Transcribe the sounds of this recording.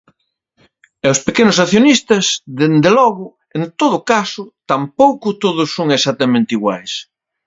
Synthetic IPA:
ɛʊspekenʊsaθjonist̪ɐzðend̪elɔɣʊ | ent̪oðʊkasʊt̪ampowkʊt̪oðʊsːõŋesat̪ɐmẽnt̪iɣwa̰js

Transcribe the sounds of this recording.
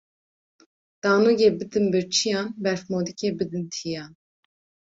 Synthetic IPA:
d̪̥ɑːnoɡeːbɨd̪ɨnbɨɾt͡ʃʰijɑːnbɛɾfmoːd̪ikʲʰebɨd̪ɨnt̪ʰijɑːn

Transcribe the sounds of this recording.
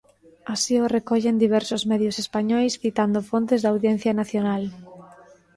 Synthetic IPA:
asiorekɔʎend̪iβ̞ɛɾsʊzmɛðjʊsespaɲɔjsθit̪and̪ʊfont̪ezðawðjen̟θjanaθjonal

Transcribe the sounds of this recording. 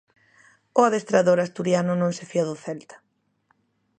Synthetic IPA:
ʊaðest̪ɾaðoɾast̪uɾjanʊnõŋsɪfiaðʊθɛlt̪ɐ̥

